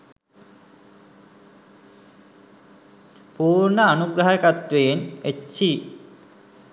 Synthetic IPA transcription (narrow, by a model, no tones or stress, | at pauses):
poːɾnaanuɡɾaɦaekat̪ɾejeneːɕʰi